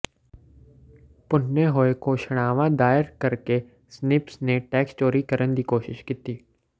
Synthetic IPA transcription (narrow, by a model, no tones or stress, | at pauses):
pʊnːeɦoːekoʃəɽ̃aːʋãd̪aːəɾkɐɾke | snɪpsneʈɛːksʈoːɾikɐɾʔənd̪iːkoːʃɪʃkiːt̪iː